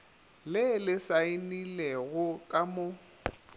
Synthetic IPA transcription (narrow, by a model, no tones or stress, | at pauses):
lɪlɪsaɪnilɛɣʊkʼamʊ